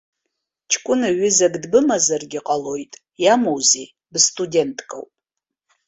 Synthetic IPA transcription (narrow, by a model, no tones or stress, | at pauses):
t͡ʃʰkʷʼʊnaɥɪzaɡdbɨmazarɡʲɪqʼalo̞jtʼ | jamowze | bstʼudʲe̞ntʰʼkʼa̰wpʼ